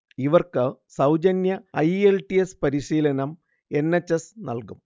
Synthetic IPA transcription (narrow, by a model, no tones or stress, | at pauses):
iʋɐrkɨsɐwd͡ʑɐnjɐɐjelʈiespɐɾiʂiːlɐnɐm | e̞nːet͡ɕːesnɐ̰lkum